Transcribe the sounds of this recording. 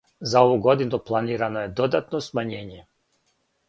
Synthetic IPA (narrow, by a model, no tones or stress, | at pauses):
zaoʋuɡo̞d̪inuplˠaniːɾanoje̞d̪o̞d̪at̪nosmaɲe̞ːɲe